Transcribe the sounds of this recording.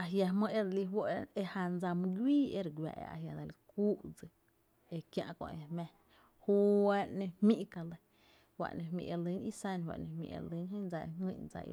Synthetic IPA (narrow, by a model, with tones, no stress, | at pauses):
a˨ɦja˧mə̃˧e˦d̪a˧li˧ɦwo˦˨e˧ha˧nd͡za˧mũ˧ɡʷiː˦e˦ɾɡʷa̰˧˨ʔḛ˧a̰˨ɦja˨d̪a˧˨li˧kuː˦d͡zɨ˧ | e˧kjã̰˧ʔkõ̰˧ʔe˧mẽ˧ | hu˦wa˧˦nẽ˧hmĩ˦ʔka˧lə˧ | wa̰˧ʔnẽ˧ɦmḭ̃˧˨ʔe˧lɨ˧˦ni˦sã˦nwa̰˧ʔnẽ˧hmḭ̃˧˨ʔḛ˧lɨ˦nɦə̃˦nd͡za˧ḛ˧ŋĩ˧˨nd͡za̰˧˨ḭ˧